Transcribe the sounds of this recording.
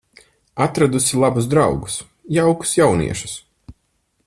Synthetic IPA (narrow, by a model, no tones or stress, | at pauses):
at̪ɾad̪usʲilˠabuzd̪ɾawɡu̥s | jawku̥sjawnḭɛʃu̥s